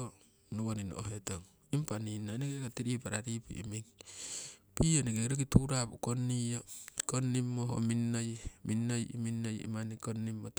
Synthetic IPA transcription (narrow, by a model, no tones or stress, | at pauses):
o | nuwonino̰o̰ɦetoŋ | impaninːanekekatiɾipaɾaɾipṵʔḭmiŋ | pionekeɾokituɾapukonːiokonːimːoɦo̰minːojminːojḭminːojḭmanikonːimːot